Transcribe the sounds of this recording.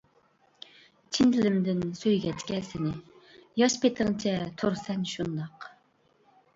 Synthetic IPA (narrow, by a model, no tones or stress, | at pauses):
t͡ʃʰind̪ɪlɪmd̪ɪnsøjɡʲɛt̪kʲɛlsɪnɪjɑʃpʰet̪ʰɪŋt͡ʃʰɛt̪ʰoɾsɛnʃund̪ɑq